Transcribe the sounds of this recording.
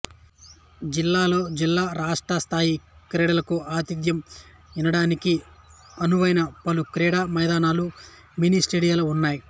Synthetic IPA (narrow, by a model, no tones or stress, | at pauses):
d͡ʒilːaːlo̞ːd͡ʒilːaːɾaːʂʈɾɐst̪ʰaːjikɾɛːɽɐlɐkuaːt̪id̪jɐm | inɐɽaːniki | ɐnuʋɐjnɐpɐlukɾɛːɽaːmɐjd̪aːnaːlu | miniːsʈeːɽijaːlɐunːaːji